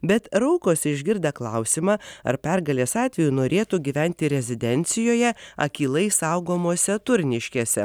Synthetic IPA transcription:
bʲɛt̪ɾɐʊkoːsʲɪʒʲɡʲɪɾd̪ɐklˠɐʊsʲimɑːɐ̰ɾpʲɛɾɡɐlʲeːsɑːt̪ʲʋʲɛjunoːɾʲeːt̪uɡʲiːʋʲænʲt̪ʲɪɾʲɛzʲɪd̪ʲɛnʲt̪sʲɪjoːjɛɐ̰kʲiːlˠɐɪsɐʊɡoːmoːsʲɛt̪ʊɾʲnʲɪʃʲkʲeːsʲɛ̰

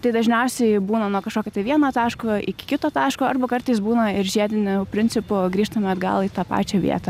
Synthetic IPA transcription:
t̪ɐɪd̪ɐʒʲnʲɛʊsʲɛɪbuːnɐnuɔkɐʃkoːkʲot̪ɐɪʋʲiɛnoːt̪ɑːʃkoʔɪkʲɪ̥kʲɪt̪oːt̪ɑːʃkoːɐɾbɐkɐrt̪ɐɪsbuːnɐɪɾʒʲiɛd̪ʲɪnʲʊpʲɾʲɪnʲt͡s̪ʲɪpʊɡɾʲiːʃt̪ɐmʲɛɐd̪ɡɐ̰lˠiːt̪ɑːpɑ̰ːt͡ʃʲɛʋʲḭɛt̪ɐ

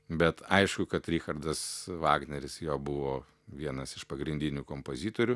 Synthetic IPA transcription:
bʲɛt̪ɐɪʃkʊkɐt̪ɾʲiːxɐɾd̪ɐsʋɑːɡnʲɛɾʲɪsjoːbʊʋoː | ʋʲiɛnɐsɪʃpɐɡɾʲɪnʲd̪ʲɪnʲuːkoːmpoːzʲiːt̪oːɾʲʊ

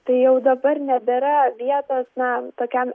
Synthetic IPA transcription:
t̪ɐɪjɛʊd̪ɐbɐrnʲɛbʲɛɾɐʋʲiɛt̪oːsnɐt̪oːkʲɛm

